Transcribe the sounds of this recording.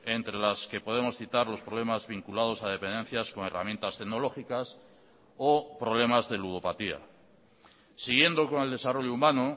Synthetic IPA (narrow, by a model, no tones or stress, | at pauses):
e̞nt̪ɾe̞laske̞po̞ð̞e̞mo̞sθit̪aɾlo̞spɾo̞βle̞mazβiŋkulaðo̞sað̞e̞pe̞nd̪e̞n̟θjasko̞ŋe̞̰ra̰mje̞nt̪ast̪eɣno̞lo̞xikas | opɾo̞β̞le̞mazðe̞luð̞o̞pat̪ia̰ | siɣ̞je̞nd̪o̞ko̞ne̞ld̪e̞saro̞ʎoumãno